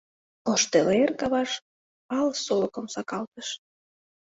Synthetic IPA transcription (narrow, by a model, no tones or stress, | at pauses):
oʃt̪elerkɑβɑʃ | ɑlsolokə̆msɑkɑlt̪əʃ